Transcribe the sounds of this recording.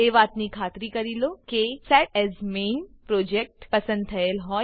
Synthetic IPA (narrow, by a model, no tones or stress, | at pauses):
eʋaːt̪nikʰaːt̪ɾikəɾilokesɛʈɛzmeːnpɾoːd͡ʒek̚ʈpɐsə̃nd̪̚t̪ʰɐelɦɔ